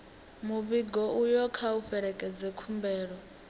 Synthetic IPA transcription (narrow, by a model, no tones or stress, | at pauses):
muβiɡɔʔujɔkʰauɸɛɺɛkʼɛd͡zɛkʰumbɛːɺɔ